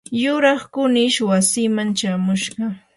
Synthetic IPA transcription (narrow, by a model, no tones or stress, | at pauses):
jʊɾɑχkʊnɪʃwasɪmant͡ʃamʊʃɢɑ